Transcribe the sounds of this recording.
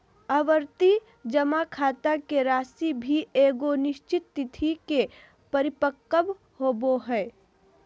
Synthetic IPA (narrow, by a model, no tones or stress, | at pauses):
əʋəɾt̪i | d͡ʒəmakʰaːt̪akeɾaːsibʱieːɡonɪʃt͡ʃɪt̪ːɪt̪ʰike | pəɾɪpəkːəb | hoːboɦɛː